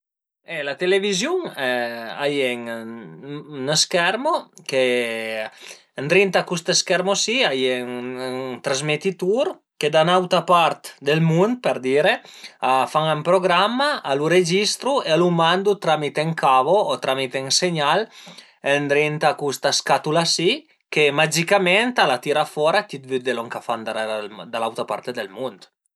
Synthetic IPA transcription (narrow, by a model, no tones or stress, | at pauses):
elat̪elevizjuŋɛa̰jɛŋ | naskɛɾmoke | nd̪ɾint̪akust̪eskɛɾmosiajɛŋŋt̪ɾazmet̪it̪uɾ | ked̪anawt̪apaɾt̪d̪elmund̪̚peɾd̪iɾeafaŋampɾoɡɾamːaːluɾed͡ʒist̪ɾuealumand̪ut̪ɾamit̪eŋkavoːt̪ɾʔamit̪eŋseɲal | end̪ɾint̪akust̪askat̪ulasi | kemad͡ʒikament̪alat̪iɾafɔɾat̪it̪̚vyd̪eloŋkafand̪aɾad̪alawt̪apa̰ɾt̪ed̪elmund̪